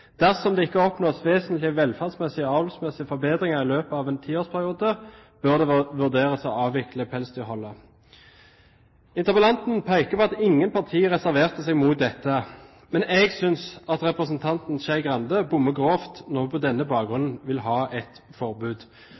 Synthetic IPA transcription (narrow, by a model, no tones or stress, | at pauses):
d̪̥æʁsɔmd̪ɛːɪkːəɔpnoːsʋeːsənt̪lɪəʋɛlfæʁd̪smɛsɪɔɑːʋɛlsmɛsɪəfɔɾbeːd̪ʁɪŋəʁɪløːpəɑːʋɛːnt̪ʰiːoːspʰæʁɪuːd̪ə | b̥øʁd̪ɛʋʉʁd̪eːʁəsɔɑːʋʋɪkləpʰɛlst̪ʏhɔlːə | ɪnt̪əbəlɑnt̪n̩pʰæɪkəpɔɑt̪ɪŋːənpʰɑʁt̪ʰiːʁɛsæʁʋeːʁt̪əsɛɡmuːt̪̚d̪ɛt̪ːə | mɛnɛɡsʏnsɑt̪ʁɛpʁəsənt̪ʰɑnt̪n̩ʃæɡʁɑnd̪əbʊmːəɡʁoːft̪nɔpʰɔd̪ɛnːəbɑːkɡʁʉnn̩ʋɪlɦɑːʔɛt̪fɔʁbʉːd̪